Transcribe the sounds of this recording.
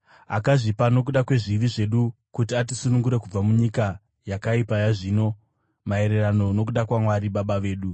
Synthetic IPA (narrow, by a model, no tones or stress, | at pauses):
a̰kaʐipano̞k̬uɗakwe̞ʐiʋiʐe̞ɗukutiatisunuŋɡuɾe̞kub͡vamuɲika | jakaipajaʐino̞ | mae̞ɾe̞rano̞no̞kuɗakwamwaɾiɓaɓaʋe̞ːɗu